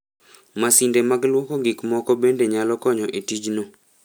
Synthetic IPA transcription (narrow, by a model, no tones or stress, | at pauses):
masindemaɡlwɔkɔɡikmɔkɔbendeɲalɔkɔɲɔʔitid͡ʒno